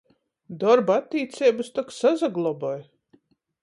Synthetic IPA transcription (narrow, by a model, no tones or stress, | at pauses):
d̪ɔɾbat̪ːiːt̪sʲɛːbɨst̪ɔksazaɡlˠɔbɔj